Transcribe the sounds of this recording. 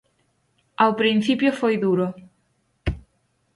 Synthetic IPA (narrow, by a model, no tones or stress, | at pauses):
awpɾĩn̟θipjofojðuɾo